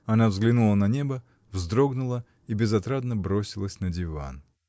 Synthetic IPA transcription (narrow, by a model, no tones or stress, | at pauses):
ɐnavzɡlʲɪnulˠənɐnʲe̞bə | vzd̪ɾo̞ɡnʊlˠə | ibʲɪzɐt̪ɾad̪nəbɾosʲɪlˠəsʲnədʲɪva̰n